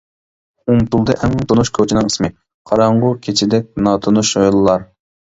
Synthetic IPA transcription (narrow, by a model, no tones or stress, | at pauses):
umpulˠd̪ɨʔɛmt̪ʰʊnuʃkʲʰot͡ʃʰinɨŋismɪ | qʰɑɾɑɴʁʊkʲʰet͡ʃʰɪd̪ɛk̚ʲnɑt̪ʰonuʃojlˠɨlˠɑɾ